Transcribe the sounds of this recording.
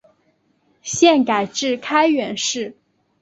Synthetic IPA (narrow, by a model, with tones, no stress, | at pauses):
ɕjɛ˥˩nka˨˩ɪʈ͡ʂɻ̩˥˩kʰa˥ɪɥɛ˧˥nʂɻ̩˥˩